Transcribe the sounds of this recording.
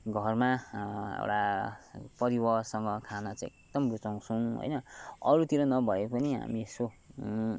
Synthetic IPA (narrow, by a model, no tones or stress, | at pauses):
ɡʱʌrmaḛwʈa | pʌɾibʌsʌŋɡʌkʰanʌt͡sãek̚d̪ʌmrut͡saw̃sʰʌ̃ɦo̰jnʌʌɾut̪iɾʌnʌbʱʌepʌniɦa̰mieso